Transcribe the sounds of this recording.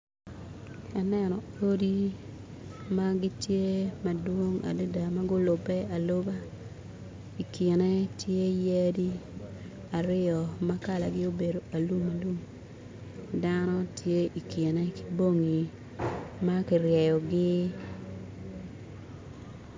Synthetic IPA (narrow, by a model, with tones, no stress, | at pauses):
a˨nɛ˦nɔ˨ | o˦di˦ | maɡɪ˦tje˦ma˨dwo˦ŋa̰˨de˦da˨ma˦ɡʊ˦lʊ˨bɛ˦a˨lo˦ba˦ | i˨ki˨nɛ˦tje˦je˦di˦ | a˨ɾɪ˦ɔ˨maka˨la˨ɡɪ˦o˦be˨do˨a˨lu˦ma˨lu˦m | danɔ˦tje˦ʔi˨ke˨nɛ˦ki̥˦bo˦ŋi˨ | ma˦ki˨rjɛ˨jɔ˨ɡɪ˦